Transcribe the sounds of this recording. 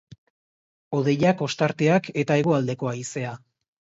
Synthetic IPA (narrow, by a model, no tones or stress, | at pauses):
o̞ð̞e̞jako̞st̪aɾt̪e̞ake̞t̪ae̞ɣ̞o̞ald̪e̞ko̞aise̞a